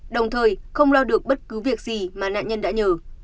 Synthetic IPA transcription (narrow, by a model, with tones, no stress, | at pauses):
ɗə˨˩wŋ͡mt̪ʰəː˨˩jxə˧wŋ͡mlɔː˧ɗɨ˨˩ək̚ɓə˦˥t̚kɨ˨˦vi˨˩ək̚zi˨˩maː˨˩na̰ː˧˨ɲə˧nɗa̰ː˧˥ɲəː˨˩